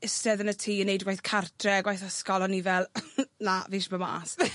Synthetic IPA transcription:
ɪstɛðənətʰiːənːejdɡwajθkʰartʰrɛɡwajθəskɔlɔnivɛlˠnaviːʃbəma̰s

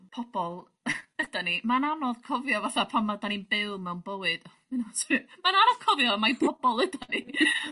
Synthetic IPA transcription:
pʰɔb̥ɔlˠ | əd̥animananɔðkʰɔvjɔvaθapʰanmadaninbɪlˠmɛwnbəwɨd̥ | ɪnɔsɔimananɔð̥kʰɔvjɔmajpʰɔb̥ɔlˠəd̥ani

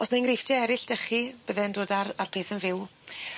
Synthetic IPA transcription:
ɔsnajnrɪfd̥ɛɛɾɪɬd̥əχib̥əðɛndoːdararpʰeːθənvɪw

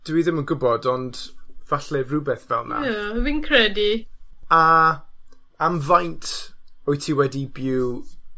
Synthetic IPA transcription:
d̥wiðɪmənɡʊbɔdɔndvaɬɛvrubɛθvɛ̰lˠna̰winkʰrɛdia | amvajntʰɔjtʰiːwɛdibɪw

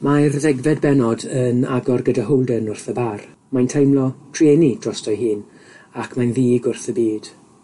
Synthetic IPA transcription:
majrðɛɡvɛd̚bɛnɔdəna̰ɡɔrɡədaɦowlˠdənʊrθəbar | majntʰejmlˠɔtʰrenid̥rɔstɔjɦɨːn | akʰmajnðiːɡʊrθəbiːd̥

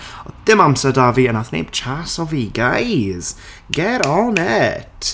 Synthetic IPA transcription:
ɔd̥ɪmamsɛdaviənaθnḛːb̥t͡ʃʰasɔviɡajz̥ | ɡ̥ɛɾɔnɛtʰ

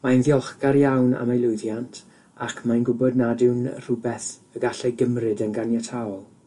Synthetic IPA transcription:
manðjɔlˠχɡaɾjawna̰majlˠʊjðjantʰ | akʰmajnɡʊbɔdnadɪwnr̥ʊbɛθəɡaɬɛɡəmrɨdənɡanjatʰaɔlˠ

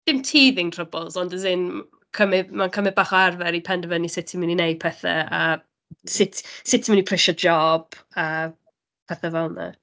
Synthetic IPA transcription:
d̥ɪmtʰiːðɪŋtr̥əbɔlˠzɔndəzɪn | kʰəmɪdmankʰəmɛd̚baːχɔarvɛɾipʰɛndəvənisɪtʰiməninejd̚pʰɛθɛ̰a | sɪtʰsɪtʰiminipʰr̥ɪʃɔd͡ʒɔb̥a | pʰɛθɛvɛlˠna̰

